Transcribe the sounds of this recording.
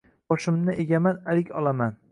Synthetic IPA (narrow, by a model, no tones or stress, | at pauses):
bɒʃɪmnɪʔeɡʲamanalɪkʲɒlˠaman